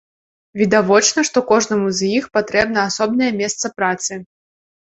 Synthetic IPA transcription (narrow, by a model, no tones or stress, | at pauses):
vʲid̪avɔt͡ʃn̪ɐʂt̪ɔkɔʐnɐmuzʲjixpat̪ɾɛbnɐasɔbnɐjɐmʲɛst̪sɐpɾat̪sɨ